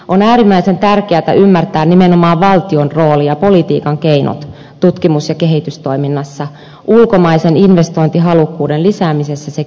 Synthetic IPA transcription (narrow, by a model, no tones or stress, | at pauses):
ʔonæːɾimːæisent̪ærkeæt̪æ̰ʔymːært̪æːnnimenomɑːʋʋɑlt̪ionroːlijɑpo̞lit̪ḭːkɑŋkeino̰t̪ | t̪ut̪kimusjɑkeɦit̪yst̪o̞iminːɑsːɑ | ʔulkomɑiseninʋest̪o̞int̪iɦɑlukːuːdellisæːmisesːæse